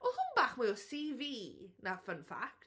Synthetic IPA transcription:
ɔhʊnbaːχmɨɔsiːviːnafənfa̰k̚t

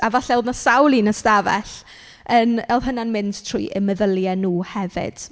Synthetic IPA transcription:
avaɬɛlˠdnasawlˠinəstavɛ̰ɬ | ənɛlˠɦənanmɪnd̥tʰr̥ujʔɛməðəlˠjɛnuːhɛvɪ̰d̥

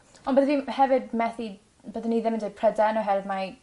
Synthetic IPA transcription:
ɔnbəðəviːhɛvɪdmɛθi | bəðəniðɪmɪndepʰrɛdanɔɦɛvɪdma

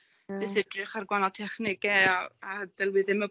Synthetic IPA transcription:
d̥ɪsɛdrɨχarɡwanatʰɛχnɪɡɛaadɛlwɨðɪmə

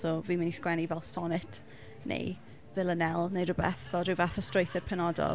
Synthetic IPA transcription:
sɔviːmɪniskwɛnivɛlˠsɔnɪtʰ | nḛj | vɪlˠənɛlˠnejrʊbɛ̰θvɛlˠrɨwvaθɔstrojθərpʰɛnɔdɔ̰

